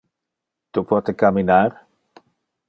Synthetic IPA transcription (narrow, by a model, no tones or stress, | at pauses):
t̪upɔt̪ekaminaɾ